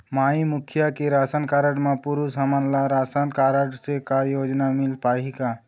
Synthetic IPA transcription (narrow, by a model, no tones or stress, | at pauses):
maimukʰjakeɾasənkaɾəɽmapuɾusɦəmanlaɾasənkaɾəɽsekajod͡ʒnamilpaɦika